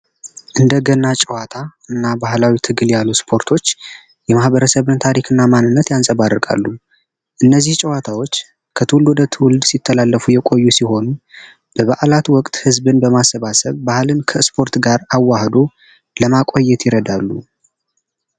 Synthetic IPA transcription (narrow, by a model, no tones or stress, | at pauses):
ʔɨnd̪əɡənat͡ʃʼɛwat̪ʰaɨnːabahlawit̪ʰɨɡɨljalːuspʰo̞ɾt̪ʰo̞t͡ʃː | jɛmahβəɾəsəβɨnt̪ʰaɾikʰɨnːamanːɨnːət̪jansʼəβarːɨkʼa̰lːu | ʔɨnːəzːiht͡ʃʼɛwat̪ʰawo̞t͡ʃː | kʰət̪ʰɨlud̪ət̪ʰwʊld̪sit̪ʰːəlalːəfujɛkʼo̞jːusiho̞nu | b̥əβaʔlat̪wɔkʼt̪ʼhɨzbɨnbəmasːəβasəβbahlɨnkʰəspʰo̞ɾt̪ɡaɾawːahd̪o | ləmakʼojːɛt̪ʰjɪɾəd̪alːṵ